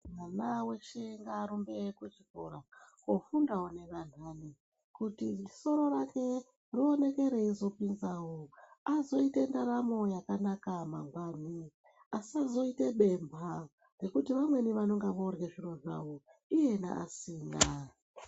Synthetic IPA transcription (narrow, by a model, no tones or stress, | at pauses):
mwanawe̞ʃeŋɡaːɾumbe̞kut͡ʃikoɾakofundawone̞ʋan̤aːni | kutiso̞ɾo̞rake̞ | rio̞ne̞ke̞ɾe̞izo̞pinzawoazo̞ite̞ndaɾamo̞jakanakamaŋɡwan̤i | asazo̞iteɓe̞mbʱa | re̞kutiʋamwe̞niʋano̞ŋɡaʋorɣeʐiro̞ʐa̰woije̞na̰a̰siːŋɡa